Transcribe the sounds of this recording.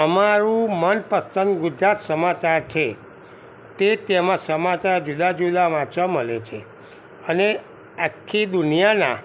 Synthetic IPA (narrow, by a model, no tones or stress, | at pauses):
əmaɾũmənpəst͡ʃə̃nd̪ɡud͡ʒɾat̪səmat͡ʃaɾt͡ʃʰe | t̪et̪emãsəmat͡ʃaɾd͡ʒud̪ad͡ʒud̪aʋat͡ʃaməlet͡ʃʰḛ | əne | akʰːid̪unijana̰